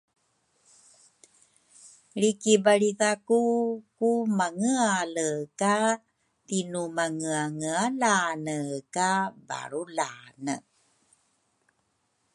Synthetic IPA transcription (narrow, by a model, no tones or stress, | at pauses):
ɭikibaɭiðakukumaŋəaləka | tinumaŋəaŋəalanəkaba̰ɾulanə